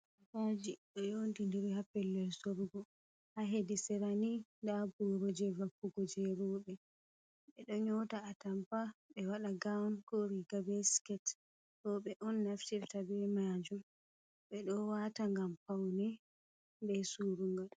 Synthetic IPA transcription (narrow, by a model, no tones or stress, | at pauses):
fad͡ʒiɗɔjontindiɾhapːɛlːɛlsoɾɡɔ | haɦedisɛɾanindabuɾɔd͡ʒɛvakːuɡɔd͡ʒɛɾuːɓɛ | ɓɛɗɔɲɔːtaːtampaɓɛwaɗaɡawnkoɾiɡabɛskɛt | ɾɔɓɛʔɔnːaftɛftabɛmad͡ʒum | ɓɛɗɔwataŋɡampawnɛ | bɛsuːɾuŋɡaɗ